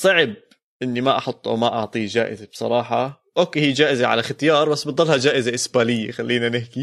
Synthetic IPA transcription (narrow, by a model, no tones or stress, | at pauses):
sˤɑʕɪb̚ | ʔɪnːimaʔɑħʊt̪ˤːʔa̰wmaʔɑʕt̪ˤiːd͡ʒaːʔɪ̰zab̥sˤɑ̰ɾˤɑːħɑ | ʔoːkehiːd͡ʒaːʔɪzaʕa̰laxat̪jɑːɾˤbasːbɑt̪ˤːɑlːhad͡ʒaːʔɪzaʔɪsbaːlɪjːaxalːiːnanɪhki